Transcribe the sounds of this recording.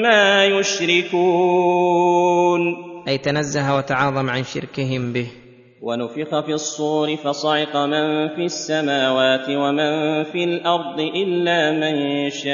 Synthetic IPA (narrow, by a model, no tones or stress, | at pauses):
maːjʊʃɾɪkuː | nʔajt̪anazːahwat̪aʕɑːðˤɑmʕanʃɪ̰ɾkɪɦɪmbɪh | wanʊfɪqɑfiɑsˤːuːɾɪfɑsˤɑʕɪqɑmanfiːasːamaːwaːt̪ɪwamanfiːlʔɑɾˤd̪ˤɨʔɪlːaːmɪnʃa